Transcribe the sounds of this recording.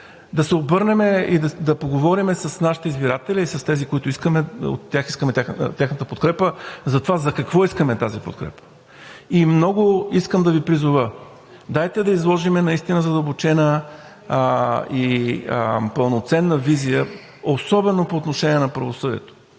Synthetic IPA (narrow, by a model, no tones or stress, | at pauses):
d̪ɐsɛobɤɾnɛmɛid̪ɐd̪ɐpoɡovɔɾimɛsɐsnaʃi̥t̪ɛizbiɾat̪ɛlʲiːsɐst̪ɛzikoit̪ʊiskəmɛo̰t̪ːaxiskəmɛt̪ʲat̪ʲaxnət̪əpot̪̚kɾɛpəzɐt̪ovazɐkɐkvɔiskəmɛt̪azipot̪kɾɛ̰pə̥ | imnɔɡʊiskəmd̪ɐvipɾizʊvə | d̪ajt̪ɛd̪ɐizlˠɔʒimɛnɐist̪inəzɐd̪əlˠbot͡ʃɛnə | i | pəlˠnot̪sɛnːəvizijə | osɔbɛnopoːt̪noʃɛniɛnɐpɾəvosɤvḭɛ̰t̪o̥